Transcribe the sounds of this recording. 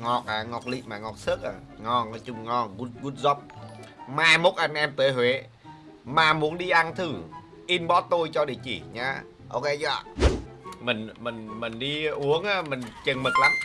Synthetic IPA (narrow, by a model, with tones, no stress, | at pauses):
ŋɔ˨˩k̚ʔaː˨˩ŋɔ˨˩k̚lḭ˧˨maː˨˩ŋɔ˨˩k̚sə˦˥k̚ʔaː˨˩ŋɔ˨˩ŋɔ˨˧˩t͡ɕʊ˧˩ŋ͡mŋɔ˧˩ɣu˧˩t̚ɣu˧˩t̚zɔ˨˧˩p̚maː˨˩mo˨˩t̚ʔa˧jŋ̟ʔɛ˧mt̪əː˨˦ɦwe˨˦ | maː˨˩mu˨˦ənɗi˧ʔa˧ŋt̪ʰɨ˨˩ | ʔi˧nɓɔ˨˦˥t̪o˧jt͡ɕɔ˧ɗi˧˩ət͡ɕḭ˧˩ɲaː˨˧ | ʔo˧wke˧zɔ˧˨˩ | mi˨˩ŋ̟mi˨˩ŋ̟mi˨˩ŋ̟ɗi˧ʔu˨˦əŋʔaː˨˧˦mï˨˩ŋ̟t͡ɕə˨˩ŋmə˨˩t̚la˨˦m